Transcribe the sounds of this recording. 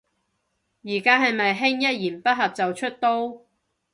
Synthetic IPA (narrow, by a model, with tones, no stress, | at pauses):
jiː˨˩kaː˥ɦɐ˨jmɐ˨jɦɪ˥ŋjɐ˥t̚jiː˨˩npɐ˥t̚ɦɐ˨p̚t͡sɐ˨wt͡ʃʰɵ˥t̚t̪o˥w